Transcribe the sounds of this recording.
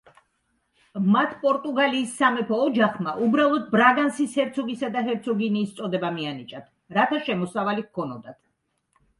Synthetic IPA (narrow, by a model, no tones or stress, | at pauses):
mat̪ʰpʼɔɾt̪ʼuɡaliːsːamɛpʰɔːd͡ʒaχmaʔubɾalˠɔd̪̚bɾaɡansishɛɾt̪sʰɔɡisad̪aɦɛɾt̪sʰɔɡiniːst̪sʼɔd̪ɛbamianit͡ʃʼat̪ʰ | ɾat̪ʰaʃɛmɔsavaliɣkʰɔnɔd̪at̪ʰ